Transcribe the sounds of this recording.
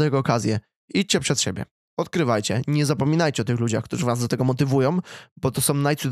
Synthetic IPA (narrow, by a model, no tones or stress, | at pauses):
ajɛɡɔːkazʲjɛ | it͡ɕt͡ɕɛpʂɛt̪ɕebʲjɛ̰ | ɔt̪kɾɘvajt͡ɕɛɲɛzapɔmʲinajt͡ɕɛɔt̪ɘxlud͡ʑa̰xkt̪uʐɨvazd̪ɔt̪ɛɡɔmɔt̪ɘvujɔ̃w̃bɔt̪ɔsɔ̃w̃najt̪sud̪